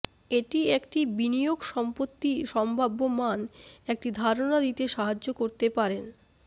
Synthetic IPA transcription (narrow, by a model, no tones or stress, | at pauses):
eʈiekʈibinijoɡʃɔmpot̪ːiʃɔmbʱabːomanek̚ʈid̪ʱaɾonad̪it̪eʃaɦad͡ʑːokoɾt̪epaɾen